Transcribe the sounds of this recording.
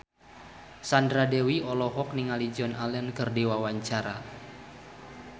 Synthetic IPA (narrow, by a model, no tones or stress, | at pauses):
sandɾadewiɔlɔɦɔk̚niŋalid͡ʒɔnalɛnkɨrdewawaɲt͡ʃaɾa